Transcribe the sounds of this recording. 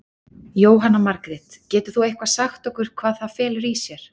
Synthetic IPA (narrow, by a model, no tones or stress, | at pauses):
joːwɦanːamaɾkɾɪt̪cɛːt̪ʏɾ̥θuejhkvasaxt̪ɔkʏɾ̥kʰvaːðθaðfɛːlɾiːsjɛɾ̥